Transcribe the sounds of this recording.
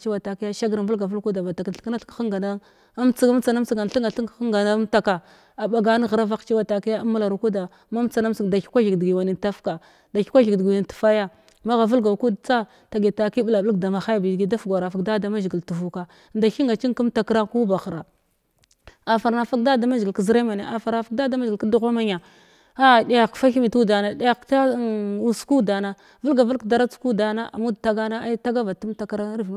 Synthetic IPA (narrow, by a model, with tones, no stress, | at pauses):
t͡ʃi˦wa˨ta˨ki˦ja˦ʃa˦ɡɾvu˦lɡa˨vu˦lku˦da˨ba˨ta˨ka˨ɬkna˦ɬkxə˦ŋɡa˨na˦ | m˦t͡si˦ɡa˦m˦t͡sa˨na˦m˦t͡si˨ɡa˨n˨ɬi˦ŋɡa˨ɬi˦ŋ˨ə˦ŋɡa˨na˦ta˦ka˨ | a˨ɓa˨ɡa˦n˦ɣə˨ɾa˦va˦xt͡ʃi˦wa˨ta˨ki˦ja˦a˦mːa˦la˨ɾu˨ku˦da˨ | ma˦m˦t͡sa˨na˦m˦t͡sda˨ki̥˦kʷa˦ɮi˨ɡdɡi˨wa˨ni˨nta˦fka˨ | da˨ki̥˦kʷa˦ɮi˨ɡdɡni˨n˨tu̥˨fa˦ja˦ | ma˦ɣa˨vu˦lɡa˨ku˦dt͡sa˦ | ta˨ɡi˨ta˨˦ki˦ɓla˨blə˦kda˨ma˨xa˦jbi˨ɡi˦da˦fɡʷa˨ɾa˨fa˨kda˦da˨˦ma˦ʒi˨ɡə˨ltu˨vu˨ka˨ | nda˨ʃi˦ŋɡa˨t͡ʃi˦ku˦m˦ta˨kɾa˦ŋku˦ba˨xɾa˨ | a˨fa˨ɾna˨fa˦k̚da˦da˨ma˦ʒɡi˨lkə˨zi˦ɾa˦ma˨ne˨ʔa˨fa˨ɾna˨fa˨k̚da˦da˦ma˦ʒɡi˨ka˦du˦ɣʷa˦ma˦ɲa˨ | a˦˨di˦ja˨kfa˦xi˦mi˨tu˦da˨na˨di˦ja˦ta˦u˦sku˦da˨na˨ | və˦lɡa˨va˦lkda˦ɾa˦t͡sku˦da˨na˦ʔa̰˨mu˦dta˦ɡa˦na˦a˦ta˦ɡa˦va˨tu˦mta˨kɾa˦n˦ɾv